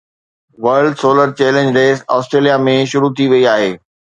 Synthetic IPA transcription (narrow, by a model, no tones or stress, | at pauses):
ʋɐɾɖsoːləɾt͡ɕɛːlẽnɲd͡ʑɾeːsɔːsʈɾeːlijamẽʃʊɾut̪ʰiʋɐiaːɦeː